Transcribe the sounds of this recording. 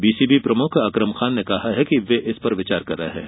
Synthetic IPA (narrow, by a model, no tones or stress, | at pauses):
biːsiːbipɾɐmʊkʰɐkɾəmxaːnːekɐhaɦɛkiʋeʔɪspɐɾʋɪt͡ʃaːɾkɐɾːɐɦɛ̰̃ː